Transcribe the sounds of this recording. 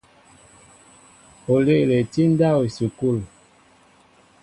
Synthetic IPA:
o˨le˦ʔle˨ti˦n˦da˦o˨su˨ku˦˨l

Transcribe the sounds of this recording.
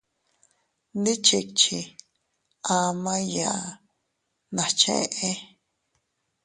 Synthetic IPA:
nd̪i˦t͡ʃʰi˧˨k̚t͡ʃʰi˨ | ã˧mã˦jã˨ʔ | nã˨t͡ʃʰḛ̃˦˧ʔe˦

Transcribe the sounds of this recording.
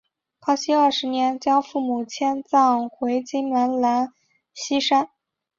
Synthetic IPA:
kʰɑ˥ʊɕi˥ə˞˥˩ʂɻ̩˧˥njɛ˧˥nt͡ɕjɑ˥ʊfu˥˩mu˨˩t͡ɕʰjɛ˥nt͡sɑ˥˩ŋxwe˧˥ɪt͡ɕi˥ŋla˧˥nla˧˥n | ɕi˥ʂa˥n

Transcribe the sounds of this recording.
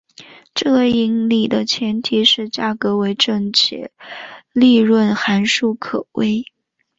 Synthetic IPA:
ʈ͡ʂɤ˥˩i˧˥ŋli˨˩d̪ə˦t͡ɕʰjɛ˧˥nt̪ʰi˨˧˥ʂɻ̩˥˧t͡ɕja˥˩kɤ˧˥we˧˥ɪʈ͡ʂɤ˥˧ŋt͡ɕʰjɛ̰˥˩˦li˥˧ɻwə˥˩nxa˧˥nʂu˥˩kʰɤ˨˩we˥ɪ

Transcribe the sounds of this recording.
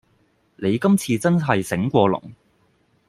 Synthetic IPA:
ne˨˧jkɐ˥mt͡sʰiː˧t͡sɐ˥nɦɐ˨jsɪ˨˥ŋkʷɔː˧lʊ̰˨˩ŋ

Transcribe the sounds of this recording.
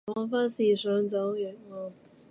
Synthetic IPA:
ɔ˨˥ŋfa˥nsiː˨˩sœː˨˥ŋt͡sɐ˨˥wjyː˨˩n̚ɔː˧

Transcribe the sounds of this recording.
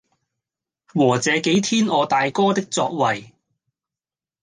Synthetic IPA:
wɔː˨˩t͡sɛː˨˧ke˨˥jt̪ʰiː˥nɔː˨˧t̪aː˨jkɔː˥t̪ɪ˥k̚t͡sɔː˧k̚wɐ˨˩j

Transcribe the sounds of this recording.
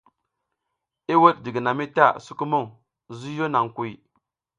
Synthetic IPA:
i˦wo˦t̚di˨ɡi˨na˨mi˦ta˦˨su˦ku˦mo˦˨ŋ | zu˦jo˦na˨ŋku˨i˨

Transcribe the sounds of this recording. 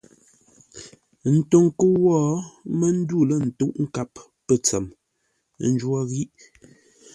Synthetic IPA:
n̩˨to˨ŋkə˦wɔː˦mə˦n̩˦du˦˨lə˦˨n̩˨tu˦ʔŋ̩˦ka˦˨pː | ə˨t͡sɛ˨m˦ | n̩˦d͡ʒwa˦ɣi˦ʔ

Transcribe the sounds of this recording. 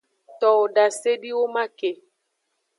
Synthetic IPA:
t̪ɔ˨o˨ɖa˨se˦ɖi˦wo˦mã˦ke˨

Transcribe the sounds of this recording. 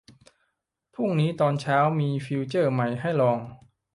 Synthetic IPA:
pʰu˥˩ŋniː˦˥t̪ɔː˧nt͡ɕʰaː˦˥wmiː˧fi˧wt͡ɕɤː˥˩ma˧˩jɦa˥˩jlɔː˧ŋ

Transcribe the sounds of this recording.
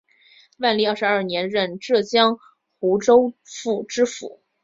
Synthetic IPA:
wa˥˧nli˥˧ə˞˥˩ʂɻɐ˞˥˩njɛ˧˥nɻə˥˧nʈ͡ʂɤ˥˩t͡ɕjɑ˥ŋ | xu˧˥ʈ͡ʂo˥ʊfu˥˩ʈ͡ʂɻ̩˥fṵ˨˩˦

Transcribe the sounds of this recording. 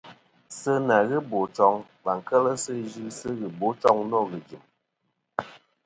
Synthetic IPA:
sɨ˦na˨ɣɨ˦bo˨t͡ʃɔ˨ŋ | ba˨ŋ˨kə˦lə˦sɨ˦d͡ʒi˦sɨ˦ɣɨ˨bo˨˦t͡ʃɔ˦ŋnɔ˦˨ɣɨ˨d͡ʒɨ˨m

